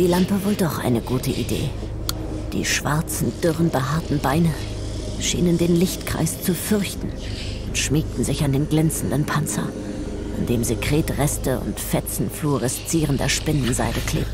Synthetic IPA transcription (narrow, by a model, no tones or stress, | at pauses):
d̥iːlampəvoːldɔχʔa̰ɪnəɡuːtʰəʔidḛː | d̥ḭːʃv̥aɐt͡sn̩d̥ʏʁənbəɦaɐtn̩baɪnə | ʃḭːnəndeːnlɪçtkʁ̥a̰ɪst͡sufʏɐçtn̩ | ʔʊntʃmiːk̚tn̩zɪçandeːnɡlɛnt͡sn̩dənpʰant͡sɐ̰ | ʔa̰ndeːmziːkʁ̥eːtʁɛstəʔʊ̰ntfɛt͡sn̩fluːʁəst͡siːʁəndḛɐʃpɪnn̩za̰ɪdəkʰl̥ḛːp̚